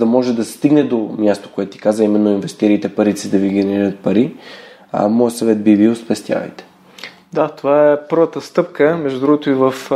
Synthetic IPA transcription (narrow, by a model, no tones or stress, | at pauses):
d̪ɐmɔʒɛd̪ɐsɛst̪iɡnɛd̪omjast̪o̥koɛt̪ʊt̪i̥kazəimɛnːoinvɛst̪iɾiːt̪ɛpɐɾit̪sid̪ɐviɡʲɛnɛɾiɾət̪̚pɐɾi | a̰mɔjsɐvɛt̪̚bibilˠspɛst̪ja̰vɐ̰jt̪ɛ̥ | d̪at̪ovaɛpɤɾvət̪əst̪ɤpkəmɛʒd̪ud̪ɾuɡot̪oivəf